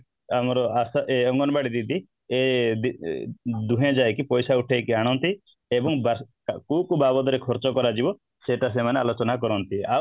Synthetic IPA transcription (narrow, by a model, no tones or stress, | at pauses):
amɔɾɔasaʔeɔŋɡɔnɔbaɽid̪id̪ʱi | ed̪i | d̪uɦẽd͡ʒajkipɔjsauʈʰejkiaɽ̃ɔnt̪i | ebɔŋba | kukubabɔd̪ɔɾekʰɔɾt͡ʃɔkɔɾad͡ʒibɔ | seʈas̬emanealot͡ʃɔnakɔɾɔnt̪ia